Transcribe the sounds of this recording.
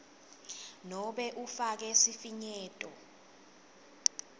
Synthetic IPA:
nɔɓɛʔufak̬ɛsifiɲɛːtʼɔ̰

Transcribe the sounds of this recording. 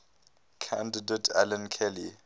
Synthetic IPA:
kʰã̰ndidɛtʰɛ̰lãnkʰɛli

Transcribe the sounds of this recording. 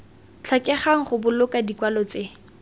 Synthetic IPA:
t͡ɬʰɔkʼɛχaŋ̩χʊbʊlʊkadikwalɔt͡se

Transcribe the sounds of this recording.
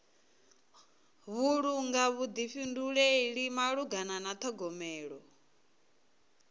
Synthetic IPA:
βuɺuŋɡaβud̪iɸinduɺɛiɺimaɺuɡananat̪ʰɔɡɔmɛːɺɔ

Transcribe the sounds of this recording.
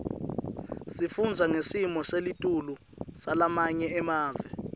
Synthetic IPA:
sifund͡zʱaŋesimɔselitʼulu | salamaɲɛɛmaːvɛ

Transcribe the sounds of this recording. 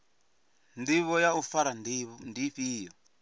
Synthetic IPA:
ndiβɔjaufaɾanndiɸiːjɔ

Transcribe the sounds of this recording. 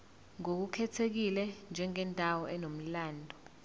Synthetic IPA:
ŋok̬ukʰɛtʰek̬ilɛnd͡ʒʱɛŋɛntʼawɔʔɛnom̩laːndʱɔ

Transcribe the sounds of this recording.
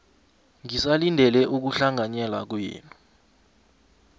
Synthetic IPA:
ŋisalindʱɛlɛʔuk̬uɬaŋʱaɲɛlak̬wjḭːnʼu

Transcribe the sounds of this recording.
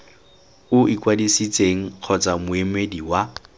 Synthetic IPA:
ʊʔikwadisit͡sʼeŋ̩q͡χʰɔt͡sʼamʊemediwa

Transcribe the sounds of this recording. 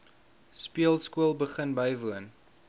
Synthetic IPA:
spiəlˠskuəlˠbəχənbəjvuən

